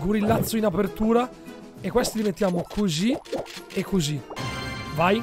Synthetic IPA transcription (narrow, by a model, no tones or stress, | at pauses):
ɡuɾilːat̪sːoinapert̪uːɾa | ekːwest̪id̪iment̪ːjaːmokʰoziekːozi | vaj